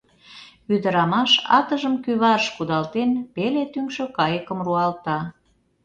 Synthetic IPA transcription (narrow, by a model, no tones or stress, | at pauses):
yd̪əɾɑmɑʃɑ̰t̪əʒəmkyβɑɾəʃkud̪ɑlt̪enpelet̪yŋʃøkɑjəkəmruɑlt̪ɑ